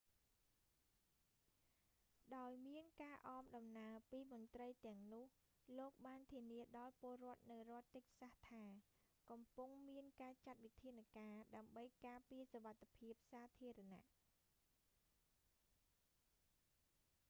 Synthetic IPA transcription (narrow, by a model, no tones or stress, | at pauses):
ɗaɔjmiənkaːʔɑːmɗɑmnaəpiːmʊ̆nt̪rəjt̪ɛ̆əŋnʊ̆əh | loːk̚ɓaːnt̪ʰiəniəɗɑlpŏəlrŏət̪̚nɨwrŏət̪ːɨk̚saht̪ʰaː | kɑmpuŋmiənkaːt͡ɕat̪̚ʋit̪ʰiənakaːɗaəmɓəjkaːpiəsoʋat̪ʰːepʰiəp̚saːt̪ʰiəɾana̰ʔ